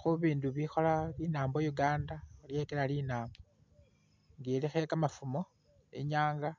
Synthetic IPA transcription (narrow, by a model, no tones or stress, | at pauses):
xuβiːnduβixo̞lalinaːmbojuɡaːndalje̞kelalinaːmbo | ŋɡelixeekamafumo̞ | eɲaːŋɡa